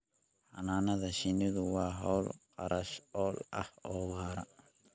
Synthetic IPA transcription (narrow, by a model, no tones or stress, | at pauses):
hɐnaːnɐðɐʃɪnɪðʊwɑːɦɔwlqʼɑɾʔɐʃɔːlɐ̰hɔːwaːɾɐ